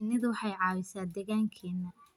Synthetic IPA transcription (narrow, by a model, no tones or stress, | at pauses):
nɪðwɑħɑjʕɑːwɪsaːd̪ɛɣaːŋkʰiːnɐ